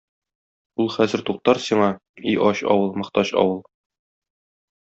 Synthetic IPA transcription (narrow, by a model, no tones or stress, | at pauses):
ulˠχæzɘ̆ɾt̪uq̚t̪ɑɾsiɴɑiʔɒɕɒ̰wɤlˠmɤ̆χt̪ɑɕɒ̰wɤlˠ